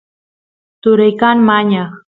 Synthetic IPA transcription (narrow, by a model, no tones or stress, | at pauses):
t̪ʊɾajkanmaɲɑχ